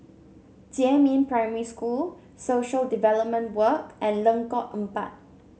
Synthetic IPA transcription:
d͡ʒiɛ̃mĩnpɹaɪməɹiskul | soʃəldivɛlɔp̚mə̃ntwəkʔɛ̃nlə̃ŋkɔʔə̃mpa̰t̚

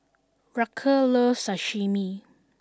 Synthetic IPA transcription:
ɹakʰəlosaʃimi

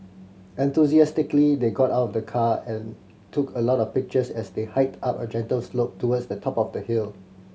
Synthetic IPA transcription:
ɛ̃nt̪uziɛstɪklideɡɔtaʊtɔvdəkʰaɛ̃n | tʰukʰəlɔtɔvpɪk̚t͡ʃəsɛsdehaɪtapə̰d͡ʒɛ̃ntəlslop̚tʰuwədsdətʰɔpɔfdəhil

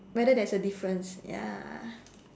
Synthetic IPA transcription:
wɛdədɛsədifɹə̃nsja̰

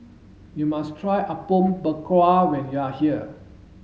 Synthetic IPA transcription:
jumastʰɹajʔəpõmbəkʰwawɛ̃njuahiə

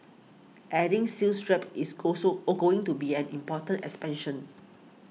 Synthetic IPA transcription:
ʔɛdĩŋsilstɹɛpisɡosoɡoɪ̃ŋtubiɛ̃nĩmpɔtə̃ntɛkspɛ̃nʃə̃n

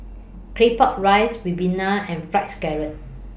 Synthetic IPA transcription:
kʰɹepɔt̚ɹajswibĩnaɛ̃nfɹatskɛɹə̃n

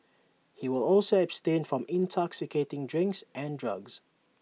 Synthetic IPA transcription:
hiwɪlɔlˠsoəb̥stẽnfɹɔ̃mɪ̃ntʰɔksɪkʰetɪ̃ŋdɹɪ̃ŋksʔɛ̃ndɹʌɡz̥

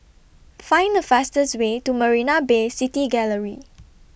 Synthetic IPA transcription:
fãɪ̃ndəfastəswetuməɹinabesitiɡɛləɹḭ

